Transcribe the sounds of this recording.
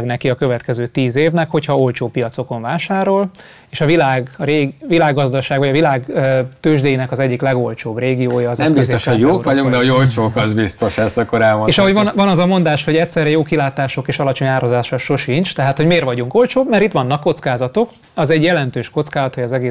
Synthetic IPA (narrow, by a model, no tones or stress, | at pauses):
ɡnɛkiɒkø̞vɛt̪kɛzøːt̪iːzeːvnɛkho̞chɒo̞lt͡ʃoːpijɒt̪so̞ko̞ɱvaːʃaːɾo̞l | eːʃɒvilaːɡɾeːɡvilaːɡːɒzd̪ɒʃaːɡvɒɟɒvilaːɡt̪øːʒd̪eːjinɛkɒzɛɟːiklɛɡo̞lt͡ʃoːbreːɡioːjɒːznɛmbist̪oʃoɟjoːkvɒɟuŋkd̪ɛɦoɟolt͡ʃoːkɒzbist̪o̞ʃɛst̪ɒkːoɾɛlmoneːʃɒɦo̞ɟvnvɒnɒzɒmo̞nd̪aːʃho̞ɟɛctʲsɛrɛjoːkilaːt̪aːʃo̞keːʃɒlɒt͡ʃo̞ɲaːɾozaːʃɒʃo̞ʃint͡ʃt̪ɛɦaːt̪ho̞ɟmeːrʋɒɟuŋko̞lt͡ʃoːbmɛɾit̪ʋɒnːɒkːo̞t̪skaːzɒt̪o̞k | ɒzɛɟjɛlɛnt̪øːʃko̞t̪skaːzɒt̪hojɒzɛɡeː